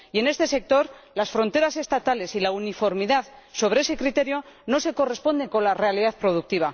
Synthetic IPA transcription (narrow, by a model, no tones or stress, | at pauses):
je̞ne̞st̪e̞se̞k̚t̪o̞ɾlasfɾo̞nt̪e̞ɾase̞st̪at̪ale̞silaunifo̞ɾmiðaðso̞β̞ɾeese̞kɾit̪e̞ɾjo̞no̞se̞ko̞re̞spo̞nd̪e̞ŋko̞nlare̞aliðaθpɾo̞ðuk̚t̪iβ̞a